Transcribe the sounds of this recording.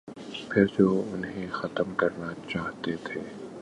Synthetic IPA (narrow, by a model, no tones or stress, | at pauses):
pʰɪɾd͡ʒoːʊnɦẽxɐt̪əmkɐɾnat͡ʃaːɦt̪et̪ʰeː